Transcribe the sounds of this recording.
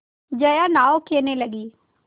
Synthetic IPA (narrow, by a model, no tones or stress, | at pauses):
d͡ʒəjanaːokʰeːneləɡiː